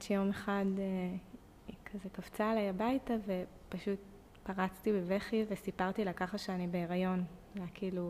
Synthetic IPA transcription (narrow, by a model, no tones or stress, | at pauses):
t͡ʃejo̞meχade | kʰazekav̥t͡saːlajabajtave̞ | paʃut̚ | paʁat͡stibeveχive̞sipaʁt̪ilakaχaʃeanibeːʁajo̞nakʰiːlu